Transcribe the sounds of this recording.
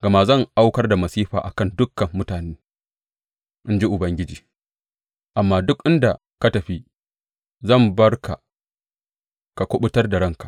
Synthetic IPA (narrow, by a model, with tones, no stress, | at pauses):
ɡ̥ɐ˨maː˦zɐ˦˨ŋʔa˦wkɐ˦rda˨mɐ˨siː˦ɸa̰ː˨ʔa̰˨kɐ˦ndʊ˦kːɐ˨mːʊ˦taː˨neː˦ | ʔɪ˦nd͡ʒi˦ʔʊ˨bɐ˦ŋɡʲɪ˦d͡ʒiː˨ | ʔa˨mːaː˦dʊ˦kʔɪ˦nda˨ | ka˦tɐ˨ɸi˦ | zɐ˦˨mbɐ˦rka̰˨ | ka˨kʷʊ˦ɓʊ˦tɐ˦rda˨ɽɐ˦ŋka˨